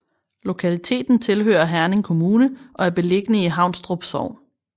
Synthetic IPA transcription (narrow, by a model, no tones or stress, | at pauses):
lo̝kʰælit͡sʰe̝̰ːd̥n̩t͡sʰe̝lɦø̰ːɐɦæɐne̝ŋkʰo̝muːnəʔɒ̽æɐb̥e̝le̝ɡ̥ənəiɦɑ̈ʊ̰nsd̥ʁob̥sɒʊ̰n